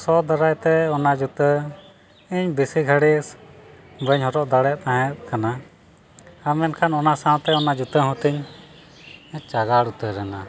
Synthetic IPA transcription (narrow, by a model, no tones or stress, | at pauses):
sɔd̪aɾajt̪ɛɔnad͡ʒut̪ə | iɲbisiɡʰʱaɽis | bəɲɦɔɾɔʔd̪aɽɛt̪ãɦɛ̃t̪̚ˀkana | amɛnkʰanɔnasãw̃t̪ɛɔnad͡ʒut̪əɦɔ̃t̪iɲ | iɲt͡ʃaɡaɽut̪əɾɛna